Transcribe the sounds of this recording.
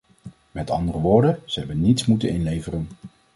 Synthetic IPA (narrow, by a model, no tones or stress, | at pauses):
mɛtɑ̰ndərəʋʊːɹdəz̥əɦɛbənnitsmutənɪnlejvərən